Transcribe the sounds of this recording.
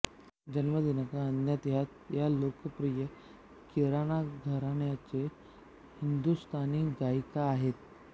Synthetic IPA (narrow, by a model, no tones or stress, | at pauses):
d͡ʑənʋəd̪inəkãənjat̪ɦat̪jalokəpɾijə | kiɾaɽ̃aɡʱəɾaɳjat͡se | hind̪ust̪ʰaniːɡajkaːɦet̪̚